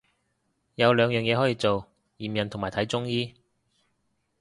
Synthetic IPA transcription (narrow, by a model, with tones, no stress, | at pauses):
jɐ˨˧wlœː˨˧ŋjœː˨ŋjɛː˨˧hɔː˨˥jiː˧t͡so˨w | jiː˨˩mjɐ˨nt̪ʰʊ˨˩ŋmaː˨˩jt̪ʰɐ˨˥jt͡sʊ˥ŋjiː˥